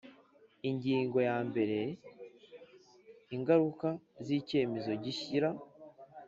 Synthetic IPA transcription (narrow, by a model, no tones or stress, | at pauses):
iɲɟiːŋɡo̞jaːmbe̞ɾe̞ | iŋɡaɾukaziːce̞ːme̞zo̞ɟiçiɾa